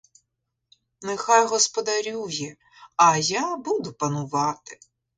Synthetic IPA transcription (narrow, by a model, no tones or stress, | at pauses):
nexɑjɦɔspɔd̪ɐɾʲuwjɛ | ɐjabud̪ʊpɐnʊʋɑt̪ɪ̥